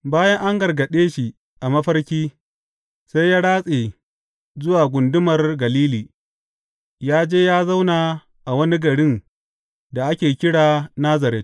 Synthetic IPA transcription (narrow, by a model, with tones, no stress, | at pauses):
baː˦jɐ˦ŋʔa˦ŋɡɐ˨rɡɐ˨ɗeː˦ʃi˨ | ʔa˨mɐ˦ɸɐ˦rkʲiː˦ | sa˦jjaː˦ɽaː˦sʼeː˨ | zʊ˦waː˨ɡʷʊ˨ndʊ˦mɐ˨rɡɐ˨liː˦liː˨ | jaː˦d͡ʒeː˦jaː˦za˦wnaː˨ | ʔa˨wɐ˦ni˦ɡɐ˨ɽɪ˦n | da˨ʔa˦kʲeː˨kʲɪ˦ɽaː˨naː˦zɐ˨ɾɛ˦t